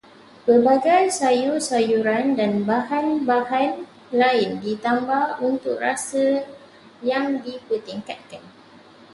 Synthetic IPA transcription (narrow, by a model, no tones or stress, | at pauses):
pəbaɡajsajusajuɾandanbahanbahan | laɪndit̪ambahunt̪ʊk̚rasə | jaŋdipət̪iŋkat̪̚kan